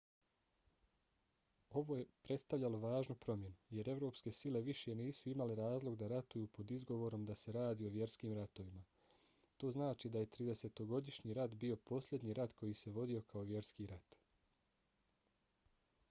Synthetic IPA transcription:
o̞ʋoje̞pɾe̞t̪st̪aʋʎʲaloʋaːʒnupɾo̞mje̞nuje̞ɾe̞vɾo̞ːpske̞sile̞ʋiʃje̞niːsuimaleɾaːzlˠo̞ɡd̪aɾat̪ujuːpo̞d̪izɡo̞ʋo̞ɾo̞md̪ase̞ɾaːd̪iːo̞ʋje̞ɾskiːmɾat̪o̞ʋima | t̪o̞ːznaːt͡ʃid̪aje̞t̪ɾiːd̪e̞se̞t̪o̞ɡo̞d̪iʃɲiɾat̪bio̞po̞slʎʲje̞d̪ɲiɾat̪kʰo̞jise̞ʋo̞d̪io̞kʰao̞ʋje̞ɾskiɾat̪

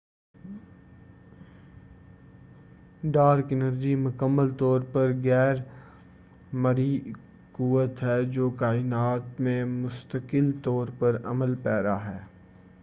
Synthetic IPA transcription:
ɖaːɾkɪnəɾd͡ʒimʊkəmːəlt̪ɔːɾpɐɾɣɛːɾ | mɐɾi | kuːət̪ɦɛːd͡ʒoːkaːɪnaːt̪mẽmʊst̪əkɪlt̪ɔːɾpɐɾɐməlpɛːɾaɦɛː

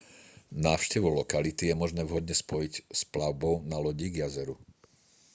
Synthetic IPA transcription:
naːʊʃcɛʋulɔkalit̪ijɛmɔʒnɛːvɦɔd̪ɲɛspɔjicsplaʊbɔʊnalɔɟiɡjazɛɾu

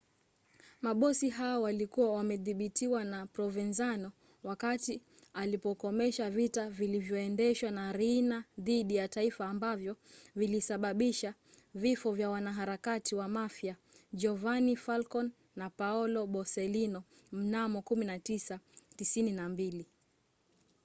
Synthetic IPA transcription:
maɓɔsiɦaɔwalikuwawamɛðiɓitiwanapɾɔvɛnzanɔ | wakati | alipɔkɔmɛʃavitavilivjɔɛndɛʃwanaɾinaðiɗijataifaːmbavjɔvilisaɓaɓiʃa | vifɔvjawanaɦaɾakatiwamafja | d͡ʒɔvanifalkɔnː | apaɔlɔɓɔsɛlinɔm̩namɔkuminatisatisininambili

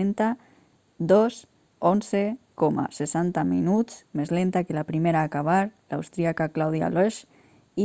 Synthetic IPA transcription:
ent̪a | d̪os | onsekoma̰sesant̪aminut͡smezlent̪akelapɾimeɾaːkaβ̞aɾlawst̪ɾiakaklawðja̰loʃ | i

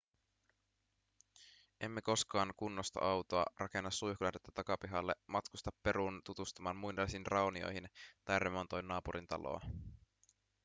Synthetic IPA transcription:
ʔe̞mːe̞ko̞skɑːŋkunːost̪ɑ̰ʔɑwt̪oɑ̰rʔɑke̞nːɑsːujhkulɑdet̪ːɑt̪ɑkɑpiɦɑlːemɑt̪kust̪ɑpːe̞ɾunt̪ut̪ust̪umɑːnmujndɑsinrɑonio̞̰jɦint̪ɑjremont̪ojnːɑːpuɾint̪ɑ̰lo̰ɑ̰

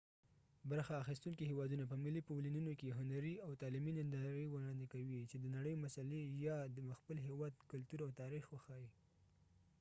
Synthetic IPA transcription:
baɾxaːxist̪uŋkiɦewɑd̪unapəmɪlipolinunokeɦʊnaɾiawt̪ɑliminɪnd̪ɑɾiwəɽɑnd̪ekawit͡ʃed̪ənaɽəjomasalejɑd̪əməxpəlɦewɑd̪kʊlt̪uɾawt̪ɑɾixwəxɑji

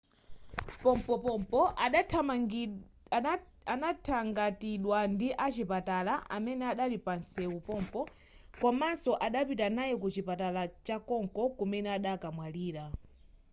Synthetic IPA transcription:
pɔmpɔpɔmpɔʔa | anatʰaŋɡatiɗwandiʔat͡ʃipatalaʔa̰mɛnɛaɗalipansɛupɔmpɔ | kɔmansɔʔaɗapitanajɛkut͡ʃipatalat͡ʃakɔŋkɔkumɛnɛaɗakamwaliːɾa

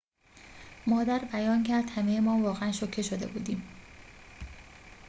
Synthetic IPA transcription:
mɒːd̪æɾbæjɒːncʰæɾd̪hæmejemɒːvɒːɣeænʃocʰːe̞ʃod̪e̞̰buːd̪iːm

